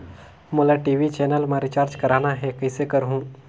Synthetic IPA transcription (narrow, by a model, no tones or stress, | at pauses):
mʊlaʈiːʋit͡ʃɛːnəlmãɾɪt͡ʃaːɾd͡ʒkɐɾaːnaɦɛkəɪsekəɾɦũː